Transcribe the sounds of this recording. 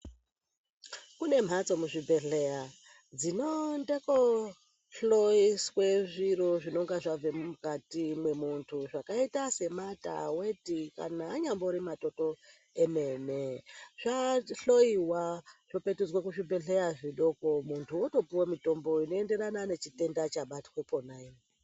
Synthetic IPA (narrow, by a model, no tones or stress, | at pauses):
kune̞m̤ʱat͡so̞muʐibʱe̞ɬe̞ja | d͡zino̞ndeko | ɬoisweʐiro̞ʐinoŋɡaʐavemukatimwe̞muntʰuʐakaitase̞mata̰we̞tika̰naːɲamboɾimato̞to̞ | eme̞neʐ̥aɬo̞iwaʐ̥ope̞tud͡zwekuʐibʱe̞ɬe̞jaʐiɗo̞ko̞muntʰuoto̞piwomito̞mbo̞ino̞e̞nde̞ɾanane̞t͡ʃite̞ndat͡ʃaɓati̥we̞ponai